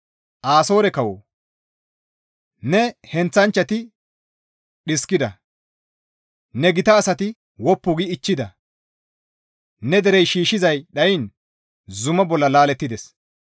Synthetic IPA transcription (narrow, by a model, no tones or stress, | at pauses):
ʔaːso̞ːɾɛkɐwo | nɛhɛnt͡sːɐnt͡ʃːɐt̪ɪ | ɗɪskɪd̪ɐ | nɛɡɪt̪ɐːsɐt̪ɪ | wɔpːʊɡɪːt͡ʃːɪd̪ɐ | nɛd̪ɛɾɛjʃiːʃɪzɐjɗɐjɪn | zʊmɐbɔlːɐlaːlɛt̪ːɪd̪ɛs